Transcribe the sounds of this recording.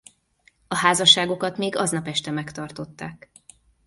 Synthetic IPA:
ɒhaːzɒʃːaːɡo̞kɒt̪meːɡɒznɒpɛʃt̪ɛmɛkt̪ɒrt̪o̞t̪ːaːk

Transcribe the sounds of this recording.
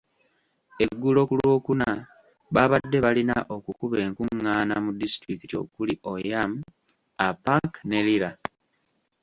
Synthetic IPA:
e̞ɡːulo̞kulwo̞ːkuna | βaβadːe̞βalinaʔo̞kukuβe̞ːŋkuŋːaːnamudistɾikitio̞̰kuliʔojam | apaŋkne̞liɾa

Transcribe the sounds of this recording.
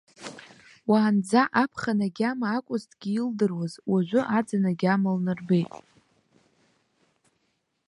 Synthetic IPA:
waːnd͡zaʔapʰχanaɡʲamaːkʷʼʊztʼɡ̥ʲiildɨrwazwaʒʷʊʔad͡zanaɡʲamalnɨrbejtʼ

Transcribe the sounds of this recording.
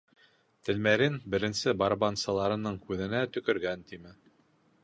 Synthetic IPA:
t̪ɘ̆lmæɾɘnbɘ̆ɾɘ̆nsɘbɑɾbɑnsɤ̆lˠɑɾɤ̆nɤɴkʉðɘ̆næt̪ɵ̆kɵ̆ɾɡænt̪imɘ

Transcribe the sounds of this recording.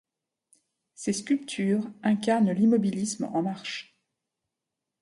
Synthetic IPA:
seskʲylpt̪ʰyʁɛ̃kaʁnlimɔbilismɑ̰̃maʁʃ

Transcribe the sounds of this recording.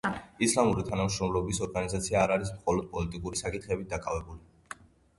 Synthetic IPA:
islˠamuɾit̪ʰanamʃɾɔmlɔbisɔɾɡanizat̪sʰiaːɾaɾis̬mχɔlɔd̪̥̚pʼɔlit̪ʼikʼuɾisakʼit̪ʰχɛbid̪akʼavɛbuli

